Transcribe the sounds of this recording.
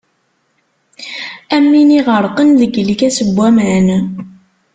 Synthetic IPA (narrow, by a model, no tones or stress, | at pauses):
æmːiniʁəɾˤqənðəɡlikæsəbʷːæmʕən